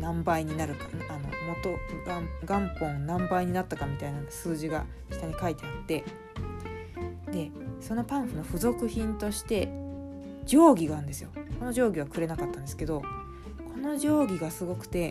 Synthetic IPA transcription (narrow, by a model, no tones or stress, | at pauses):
nãmbaiɲ̟inaɾɯ̟kano̞̰mo̞t̪o̞ɡaɡãmpõ̞nnãmbaiɲ̟inat̪ːakamʲit̪ainasɨːʑiɡa̰ | çi̥t̪aɲ̟ikait̪eat̪ːe̞ | d̪e̞so̞no̞pãɰ̃ɸɯ̟no̞ɸɯ̟zo̞kɯ̟çĩnt̪o̞ɕi̥t̪e̞ | d͡ʑo̞ːɡʲiɡaɯ̟̃nd̪e̞sɨjo̞ko̞no̞ʑo̞ːɡʲiβ̞akɯ̟ɾe̞nakat̪ːãnd̪esɨ̥ke̞d̪o̞ | kʰo̞no̞ʑo̞ːɡʲiɡasɨɡo̞kɯ̟̥t̪e̞